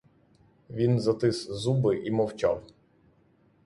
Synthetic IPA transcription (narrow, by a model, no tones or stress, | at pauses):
ʋʲinzɐt̪ɪszubɪʔimɔwt͡ʃɑ̰w